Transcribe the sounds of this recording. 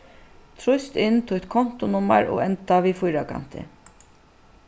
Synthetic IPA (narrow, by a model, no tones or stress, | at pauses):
t̪ʰɾʊst̪ɪnːt̪ʰʊt̪kʰɔn̥t̪ʊnʊma̰ɹɔ̰ːɛnt̪aʋiːfʊjɾakʰa̰n̥t̪ɪ̰